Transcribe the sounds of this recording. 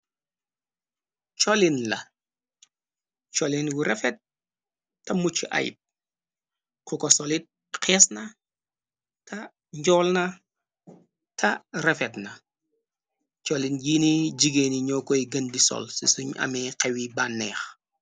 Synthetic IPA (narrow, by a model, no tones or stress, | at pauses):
t͡ʃɔlinlɐ | t͡ʃɔlinɡuɾɛfɛt̚ː | ɐmut͡ʃːiʔɐ̰jḭp̚ | kukɔsɔlit̚ | qʰɛːsnɐ | tɐ | ɲɟɔːlnɐ | tʰɐrɛfɛtnɐ | t͡ʃɔlinɟiːniɟiɡeniɲɔːkɔjɡɐndisɔ̰lsisuɲɐ̰mɛqɛwibanːɛːx